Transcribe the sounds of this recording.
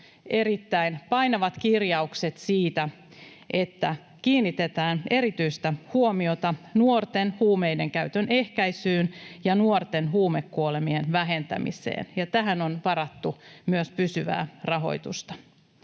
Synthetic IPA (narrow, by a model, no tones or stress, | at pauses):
eɾit̪ːæinpɑjnɑʋɑt̪kirjɑukset̪siːt̪æ | ʔe̞t̪ːæ | kiːnːit̪et̪æːne̞ɾit̪yjst̪æhuomio̞t̪ɑnuort̪enhuːme̞jde̞ŋkæyt̪ønʔe̞hkæjsyːnjɑnuort̪e̞nɦuːmekːuole̞mienʋæɦe̞nt̪æ̰mḭsḛːnjɑt̪æɦæno̞nʋɑɾɑt̪ːumyøspysyʋæ̰ːrɑɦo̞̰jt̪ṵst̪ɑ̥